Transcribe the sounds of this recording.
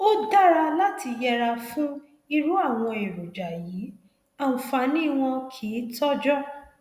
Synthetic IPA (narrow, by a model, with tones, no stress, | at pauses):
o˦da˦ɾa˧la˦tʰi˧jɛ˧ɾa˧fũ˦ | i˦ɾu˦a˦˨w̃ɔ̃˧e˨ɾo˨d͡ʒa˨ji˨˦ | a˦˨ũ˨fa˨˧˦nĩ˦˨w̃ɔ̃˧kʰiː˨˦tɔ˦d͡ʒɔ˦˨